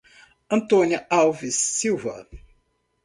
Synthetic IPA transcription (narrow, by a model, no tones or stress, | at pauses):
ɐ̃nt̪õnjɐawvisːiwvɐ̰